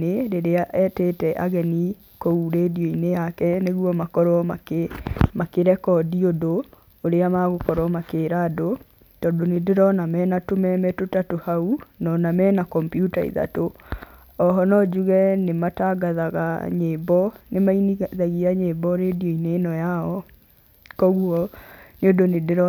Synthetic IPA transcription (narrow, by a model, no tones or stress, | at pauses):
eɾeɾeaʔɛtetɛʔaɣɛni | kouɾeːdioinejakɛneɣwɔmakɔɾɔa | makeɾɛkɔdiodoː | ɾeamaɣokɔɾɔmakeːɾado | tɔːndonedeɾɔnamɛːnatomɛmɛtotatohaunɔnamɛnakɔmpjuta̰ḭða̰to | ɔɦɔnɔd͡ʒuɣɛnemataɡaðaɣa̰ɲeːbɔnemainiðaɣiaɲebɔɾedioineːnɔjaɔ | kɔɣuɔneodonedeɾɔ